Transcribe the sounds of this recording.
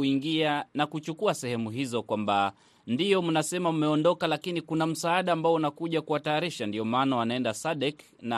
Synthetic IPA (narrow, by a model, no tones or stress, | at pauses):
uiŋɡianakut͡ʃukuasɛhɛmuɦizɔkwamba | ndijɔmunasɛmam̩mɛɔndɔkalakinikunam̩saːɗaːmbaɔunakuʄakuwataːɾiʃandiɔmaːnawanaɛndasaɗɛk | na